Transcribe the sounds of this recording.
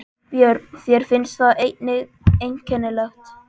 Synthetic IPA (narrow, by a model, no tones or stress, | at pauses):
θjɛɾθjɛɾ̥fɪnst̪θaðejt̪nɪɣ | ejɲcɛnːɪlɛxt̪